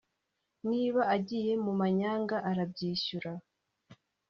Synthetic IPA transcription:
niːβaaɟije̞mumaɲaːŋɡaʔaɾabɟiːʃuɾa

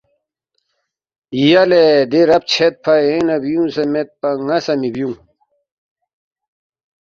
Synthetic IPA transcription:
ijɐled̪eɾɐp̚t͡ɕʰet̪̚pʰɐjẽnɐbijũsemet̪̚pɐŋɐsɐmibjũŋ

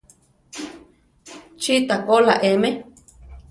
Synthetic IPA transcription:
t͡ʃit̪akolaʔemẽ

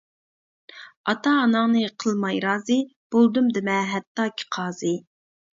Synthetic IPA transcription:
ɑt̪ɑːnɑŋnɨqʰəlˠmɑjɾɑːzɨb̥olˠd̪umd̪ɪmɛɦɛt̪ːɑːkʲʰi̥qʰɑːzɨ

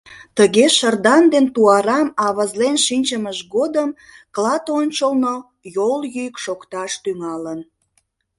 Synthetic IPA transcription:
t̪əɣeʃərd̪ɑnd̪ent̪uɑɾɑmɑβɑzlenʃinʲt͡ɕəməʒɡod̪əm | klɑt̪onʲt͡ɕəlno | joljyjkʃokt̪ɑʃt̪yŋɑlən

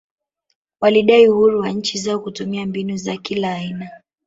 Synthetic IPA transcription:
waliɗaiuhuɾuwaɲ̩t͡ʃizaɔkutumiambinuzakilaːina

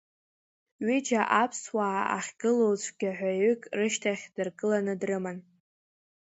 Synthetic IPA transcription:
ɥɪd͡ʒaʔapʰswaːa̰χʲɡ̥ɨlowt͡ɕʷʰʼɡʲaħʷᶣajʏkʼrɨʃtʰaχʲd̥ɨrkʼɨlanɨdrɨman

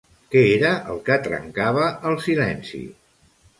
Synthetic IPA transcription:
kɛeɾəʔəlˠkət̪ɾə̰ŋkaβ̞əəlˠsilɛnsḭ

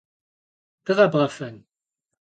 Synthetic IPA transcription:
d̥ɨʁɐbʁɐfɐn

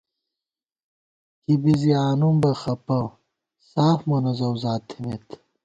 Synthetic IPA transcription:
kibiziaːnumbɐxɐpɐ | saːfmɐnɐzɐwzaːt̪ʰimet̪

